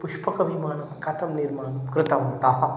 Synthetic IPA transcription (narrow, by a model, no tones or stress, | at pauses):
pʊʃpɐkɐbʱimaːnɐmkɐt̪ɐmnɪɾmaːnɐmkɾɪt̪ɐɦoːt̪aːɦɐ